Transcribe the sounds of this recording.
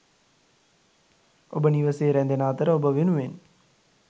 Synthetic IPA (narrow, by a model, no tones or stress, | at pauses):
obəniʋəseːɾɛnd̪enaːt̪əɾəobəʋenuʋen